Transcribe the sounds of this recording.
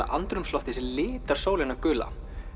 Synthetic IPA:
a̰ʔa̰nt̪ɾʏmslɔht̪ɪsɪlɪːt̪aɾ̥soːwlɪnːakʏːla̰

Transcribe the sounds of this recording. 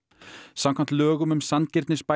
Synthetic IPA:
samkʰam̥t̪lœːɣʏmʏmsancɪɾt̪nɪspa

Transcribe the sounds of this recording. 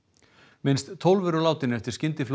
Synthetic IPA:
mɪnst̪t̪ʰːowlvʏɾɔlaːwt̪ɪnɛft̪ɪɾ̥scɪnt̪ɪfl

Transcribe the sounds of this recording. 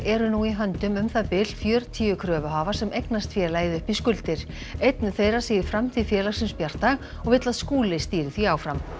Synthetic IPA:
ɛɾʏnuiɦœnt̪ʏmʏmθaðpɪlfjœːɾt̪ʰiːʏkʰɾœːvʏɦaːvḁsɛmʔejknast̪fjɛːlajðɪʏhpiskʏlt̪ɪɾ̥ | ejt̪nʏθejrasiːjɪɾ̥fɾamt̪ʰiðfjɛːlaɾsɪnspjar̥t̪aɣ | ɔɣvɪt̪laðskuːlɪst̪iːɾɪθviaːwfɾam

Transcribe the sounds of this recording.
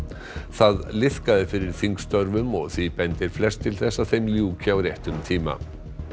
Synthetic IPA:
θaðlɪθkaðɪfɪɾɪɾ̥θiŋkst̪œɾvʏmɔɣθipɛnt̪ɪɾ̥flɛst̪ʰːɪlθɛsːaðθejmljuːcʰɪawɾjɛjht̪ʏmt̪ʰiːma̰

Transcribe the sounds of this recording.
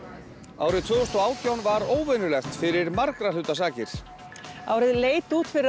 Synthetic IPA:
awɾɪðt̪ʰvʏːɣɔst̪ɔaːwt̪ʰjawnvaɾoːwvɛnʏlɛxt̪fɪɾɪɾmaɾkɾalʏːt̪asaːcɪɾ̥ | awɾɪðleːjt̪uːt̪fɪɾɪ

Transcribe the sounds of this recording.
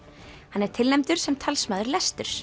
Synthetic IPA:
hanɛɾ̥t̪ʰɪlnɛmt̪ʏɾ̥sɛmt̪ʰalsmaːðʏɾlɛst̪ʏɾ̥

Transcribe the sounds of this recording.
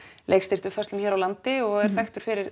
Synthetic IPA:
lḛjkst̪ɪr̥t̪ʏfɛst̪lʏmçɛɾawlant̪ɪɔɣɛɾ̥θɛxt̪ʏɾ̥fɪɾɪɾ

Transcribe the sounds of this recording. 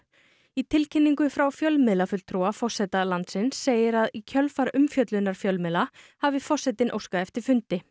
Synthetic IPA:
it̪ʰɪlcʰɪnːiŋkʏfɾawfjœlmɪðlafʏl̥t̪ʰɾuafɔr̥sɛt̪alant̪sɪnsːeːjɪɾaðicʰœlfaɾʏmfjœt̪lʏnːaɾ̥fjœlmɪðlahavɪfɔr̥sɛt̪ɪnʔo̰wskaɛft̪ɪɾ̥fʏnt̪ɪ

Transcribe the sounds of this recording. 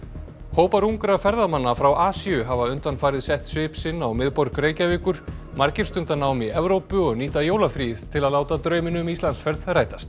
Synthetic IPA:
hoːwpaɾuŋkɾafɛɾðamanːafɾawʔaːsiʏɦavaʏnt̪anfaːjɾɪðsɛht̪svɪːpsɪnːawmɪðpɔɾkreːjcavɪːkʏɾ̥ | maɾcɪɾ̥st̪ʏnt̪anaːwmiɛvɾowpʏɔɣniːt̪ajowlafɾiːðt̪ʰɪlaðlaːwt̪at̪ɾœːɥmɪnʏmist̪ansfɛɾðraːjt̪ast̪

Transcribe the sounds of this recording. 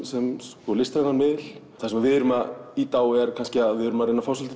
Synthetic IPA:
sɛmskɔlɪst̪ɾaɣanmɪðɪl̥ | θasɛmaðvɪðʏɾʏmait̪aːwɛɾ̥kʰanscɪaðvɪðʏɾʏmaɾejnafawsalt̪ɪ

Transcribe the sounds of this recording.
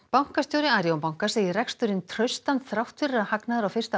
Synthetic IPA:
pawŋ̥kast̪jowɾɪaːɾjowmpaw̃ŋ̥kḁseːjɪrɛkst̪ʏɾɪnt̪ʰɾœɥst̪ant̪θɾaw̥t̪fɪrahaknaðʏɾawfɪrst̪a

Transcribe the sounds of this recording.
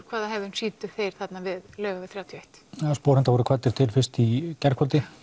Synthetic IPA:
kʰvaːðaɦɛvðʏnsiːt̪ʏ̥θejɾ̥θat̪navɪðlœːɣavɪðθɾaːwt̪ʰjejht̪ːspowɾɪnt̪avɔɾʏkʰvat̪ːɪɾ̥t̪ʰɪlfɪst̪icɛr̥kʰvalt̪ɪ

